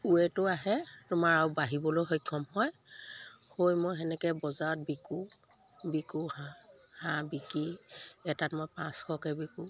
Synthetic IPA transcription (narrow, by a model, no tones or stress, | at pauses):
uɛtʊaɦɛtʊmaɹaubaɦibɔlojɦɔjkʰːɔmɦɔj | hojmojɦɛnɛkɛbɔzaɔt̚biku | bikuhã | hãbikiɛtatmojpãskʰɔkɛbiku